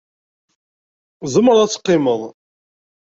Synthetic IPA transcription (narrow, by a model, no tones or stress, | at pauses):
zəmːəɾˤæt͡sːə̥qːɪməðˤ